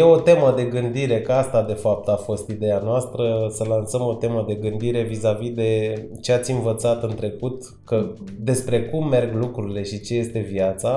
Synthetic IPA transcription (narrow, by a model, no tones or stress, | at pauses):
je̞o̞t̪e̞məd̪e̞ɡɨnd̪iɾe̞kəast̪ad̪e̞fap̚t̪afo̞st̪id̪e̞janoast̪ɾəsəlansəmo̞t̪e̞məd̪e̞ɡɨnd̪iɾe̞vizavid̪e̞ | t͡ʃe̞at̪sʲinvət̪sat̪ɨnt̪ɾe̞kut̪ | kəd̪e̞spɾe̞kumːe̞rɡlukɾuɾile̞ʃit͡ʃe̞je̞st̪e̞viat̪sa